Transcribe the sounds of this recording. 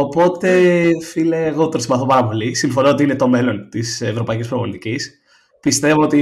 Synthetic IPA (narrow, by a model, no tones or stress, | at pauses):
opo̞t̪e̞fileɣot̪o̞nsimbɐθo̞pɐɾɐpo̞lisiɱfo̞noot̪iine̞t̪o̞me̞lo̞nt̪isevɾo̞pɐicispɾovont̪icis | pist̪e̞voot̪i